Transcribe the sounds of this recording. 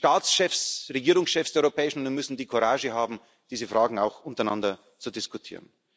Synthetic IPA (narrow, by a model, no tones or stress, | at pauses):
ʃtaːt͡sʃɛfsʁeɡiːʁʊŋsʃɛfsd̥ɛɐɔʏʁopʰɛːɪʃn̩ʊnimʏsn̩diːkʰoʁaːʒəɦaːbm̩ | d̥iːzəfʁaːɡŋ̩aʊxʊntəɐaɪna̰ndɐ | t͡sudɪskutʰḭːʁən